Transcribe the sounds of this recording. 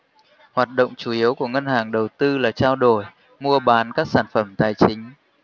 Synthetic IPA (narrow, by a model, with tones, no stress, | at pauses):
hwaː˨˩t̚ɗo̰˧˨wŋ͡mt͡ɕu˧˩ʔi˨˦əwku˧˩əŋə˧nhaː˨˩ŋɗə˨˩wt̪ɨ˧laː˨˩t͡ɕaː˧wɗo˧˩j | mu˧əɓaː˨˦nkaː˦˥k̚saː˧˩nfə˧˩mt̪aː˨˩jt͡ɕï˨˦ŋ̟